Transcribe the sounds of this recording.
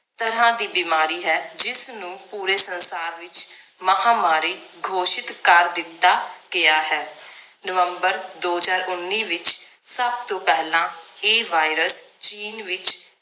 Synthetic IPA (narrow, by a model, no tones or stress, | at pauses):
t̪əɾãːd̪iːbimaːɾiːɦɛːd͡ʒɪsnũːpuːɾeːsənsaːɾʋɪt͡ʃməɦãːmaːɾiːɡʱoːʃɪt̪kəɾd̪ɪt̪ːaːɡɪaːɦɛː | nəʋəmbəɾd̪oːzaːɾʊnːiːʋɪt͡ʃsəb̚t̪õːpɛːɦlãːeːʋaːɪɾəst͡ʃiːnʋɪt͡ʃ